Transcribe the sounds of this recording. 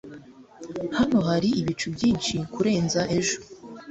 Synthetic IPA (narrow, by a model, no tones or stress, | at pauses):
hano̞ɦaɾiʔiβit͡ʃubɟiːnʃikuɾe̞ːnzaʔe̞ʒo